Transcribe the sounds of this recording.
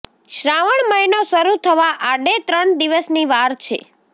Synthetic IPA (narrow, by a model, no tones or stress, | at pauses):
ʃɾaʋəɳməinoʃəɾut̪ʰəʋaʔaɖet̪ɾəɳd̪iʋəsniʋaɾt͡ʃʰḛ